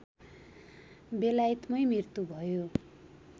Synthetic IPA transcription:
belajit̪mʌjmirt̪ubʱʌjo

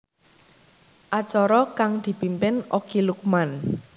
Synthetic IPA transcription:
ʔat͡ʃɔɾɔkaŋd̪̥i̤pimpɪnokilukuman

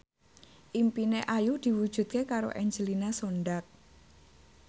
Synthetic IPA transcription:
ʔimpineʔajud̪̥i̤wud̥ʒ̥ṳt̪̚kekaɾo̰ʔɛɲd͡ʒəlinasonɖak̚

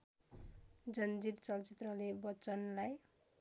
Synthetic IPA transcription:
d͡zʌnd͡ziɾt͡sʌlt͡sit̪rʌlebʌt͡sʌnlaj

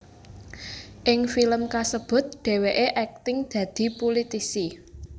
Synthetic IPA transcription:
ʔɪŋfiləmkasəb̥ʊ̤t̪̚ɖ̪̥e̤weʔeʔɛk̚t̪ɪŋd̪̥ä̤d̪̥i̤pulit̪isi

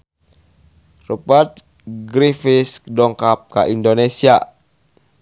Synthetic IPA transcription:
rupət̪̚ | ɡɾifiskdɔŋkap̚kaʔindonesia

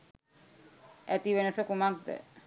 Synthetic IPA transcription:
æt̪iʋenəsəkumak̚d̪ə̰

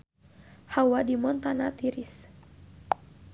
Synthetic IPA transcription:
hawadimɔnt̪anat̪iɾis

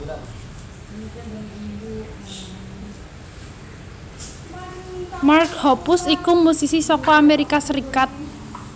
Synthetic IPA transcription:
markhɔpusikumusisisɔkɔameɾikasəɾikat̪̚

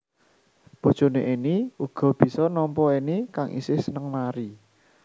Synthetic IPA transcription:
b̥o̤d̥ʒ̥o̤neʔiniuɡ̥ɔ̤b̥i̤sɔnɔmpɔinikaŋʔḭsɪhsənəŋmaɾi

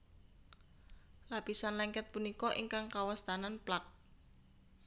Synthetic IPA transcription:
lapisanlɛŋkɛt̪̚punikɔʔiŋkaŋkawast̪ananplak̚

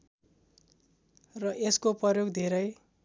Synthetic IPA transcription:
rʌʔeskoprʌjoɡd̪ʱeɾʌj

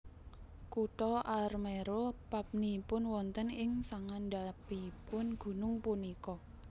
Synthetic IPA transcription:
kuʈɔʔarmeɾopap̚nipʊnwɔnt̪ənɪŋsaŋanɖapipʊnɡ̥ṳnʊŋpunikɔ

